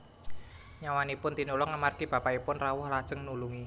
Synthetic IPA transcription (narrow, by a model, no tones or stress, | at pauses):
ɲawanipʊnt̪inulɔŋamarɡ̥ib̥a̤paipʊnrawʊhlad̥ʒ̥ə̤ŋnuluŋi